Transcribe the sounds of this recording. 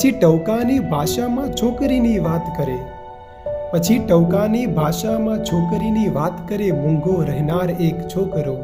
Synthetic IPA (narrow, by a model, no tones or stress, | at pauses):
ət͡ʃʰiʈəʋkanibʱaʃamãt͡ʃʰokɾiniʋat̪kəɾe | pət͡ʃʰiʈəʋkanibʱaʃamãt͡ʃʰokɾiniʋat̪kəɾemũŋɡoɾəɦnaɾekt͡ʃʰokɾo